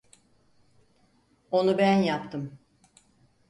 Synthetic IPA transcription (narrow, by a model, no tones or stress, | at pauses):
o̞nubænjapt̪ʰɯm